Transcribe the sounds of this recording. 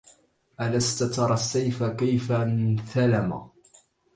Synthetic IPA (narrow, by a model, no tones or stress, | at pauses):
ʔalast̪at̪ɑɾˤɑsːajfakajfanθalama̰